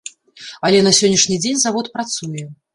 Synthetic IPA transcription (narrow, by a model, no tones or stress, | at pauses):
ɐlʲɛnɐsʲɔnʲːiʂnʲid͡zʲenʲzavɔt̪pɾat̪sujɛ